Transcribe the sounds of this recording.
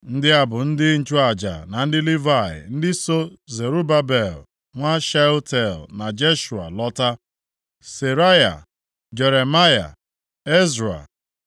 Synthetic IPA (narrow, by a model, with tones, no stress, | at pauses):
n̩˦dɪ˦a˨bʊ˨n̩˦dɪ˦n̩˨t͡ʃu˦a˨d͡ʒa̰˨na˨n̩˦dɪ˦li˦va˦˨ɪ̰˨n̩˦dɪ˦so˦ze˨ɾu˦ba˦be˨l | ŋʷa˦ʃa˦o˦te˨lna˨d͡ʒe˦ʃu˨a̰˨lɔ˦ta˦ | se˨ɾa˦ja̰˨ | d͡ʒe˨ɾe˨ma˦ja̰˨ | e˦zɾa̰˨